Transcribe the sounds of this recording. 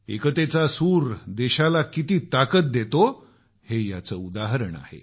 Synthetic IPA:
ekət̪et͡sasuːɾd̪eɕalakit̪iːt̪akət̪̚d̪et̪o | heja̰t͡səud̪aɦɾəɳa̰hḛ

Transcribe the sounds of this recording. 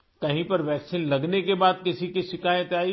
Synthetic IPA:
kɐɦĩpɐɾʋɛːksinlɐɡnekebaːd̪̚kɪsikiʃɪkaːjət̪aːi

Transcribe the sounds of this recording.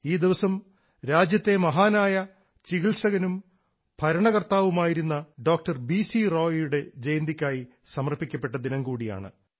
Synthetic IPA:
iːd̪iʋɐsɐm | ɾaːd͡ʑjɐt̪ːe̞mɐɦaːnaːjɐ | t͡ɕiɣiɭsɐɣɐnum | b̥ʱɐɾɐɳɐɣɐrt̪aːʋumaːjiɾunːɐɖo̞ːk̚ʈɐrbisiroːjjuɽe̞d͡ʑe̞jnd̪ikʲːaːji | sɐmɐrpːikʲːɐpːe̞ʈːɐd̪inɐmkuːɽija̰ːɳɨ̰

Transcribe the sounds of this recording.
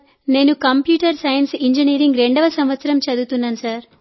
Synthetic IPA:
ne̞ːnukɐmpjuːʈɐɾsɐjɐnsiɲd͡ʒiniːɾiŋɡɾeɳɖɐʋɐsɐmʋɐt̪sɐɾɐmt͡ʃɐd̪ut̪unːaːnusaːɾ

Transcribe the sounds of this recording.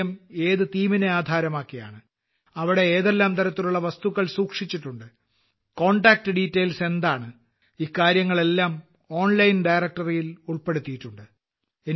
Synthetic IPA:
ɐme̞ːðɨt̪iːmineaːd̪ʱaːɾɐmaːkːija̰ːɳɨ | ɐʋiɽe̞eːðe̞lːaːmt̪ɐɾɐt̪ːiluɭːɐʋɐst̪uɣɐɭsuːkʂit͡ɕːiʈːuɳɖɨ | ko̞ːɳɖaːk̚ʈɨɖiːtːejlse̞nd̪aːɳɨ | ikːaːɾjɐŋːɐɭe̞lːaːm | o̞ːnlɐjnɖɐjrɐk̚ʈɐrijiluɭpe̞ɽut̪ːijiʈːuɳɖɨ | e

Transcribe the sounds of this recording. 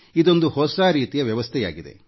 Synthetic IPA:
id̪o̞nd̪uhɔsaːɾiːt̪ijɐʋjɐʋɐst̪ʰɛja̰ːɡid̪e̞̰

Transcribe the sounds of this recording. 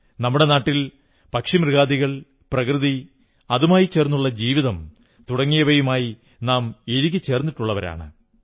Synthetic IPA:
nɐmːuɽe̞naːʈːil | pɐkʂimrɨɣaːðiɣɐɭ | prɐkrɨði | ɐðumaːjit͡ɕe̞ːrnːuɭːɐd͡ʑiːʋiðɐm | t̪uɽɐŋːijɐʋɐjumaːji | naːmiɾik̬ʲːɨt͡ɕːe̞ːrnːiʈːuɭːɐʋɐɾa̰ːɳɨ̰

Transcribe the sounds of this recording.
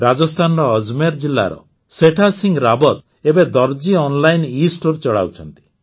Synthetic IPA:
ɾad͡ʒɔst̪ʰanɔɾɔːd͡ʒmeɾd͡ʒilːa̰ɾɔ̰ | seʈʰasiŋɡɾabɔt̪̚ | ebed̪ɔɾd͡ʒiɔnlajnisʈoɾt͡ʃɔɭa̰wt͡ʃʰɔnt̪i̥

